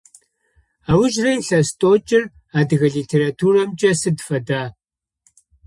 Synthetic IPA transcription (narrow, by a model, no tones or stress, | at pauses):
aːwʊʒrɐjɬɐstʼoːt͡ʃʼɪr | aːdɨɣɐɮiːtʰeːɾatʰuːrɐmt͡ʃʼɐsɨdfɐdaː